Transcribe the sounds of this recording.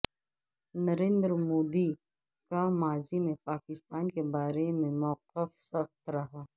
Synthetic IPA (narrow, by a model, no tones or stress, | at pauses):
nɐɾẽːnd̪ɾmoːd̪i | kamaːzimẽpaːkɪst̪aːnkebaːɾemẽmɔːqɪfsɐxt̪ɾɐɦaː